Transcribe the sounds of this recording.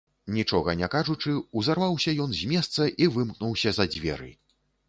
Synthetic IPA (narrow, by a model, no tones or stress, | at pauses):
nʲit͡ʂɔɣɐnʲɛkaʐut͡ʂɨuzarvawsʲɐjɔnzʲmʲɛst̪sɐʔivɨmknuwsʲɐzɐd͡zʲvʲɛ̰ɾɨ̰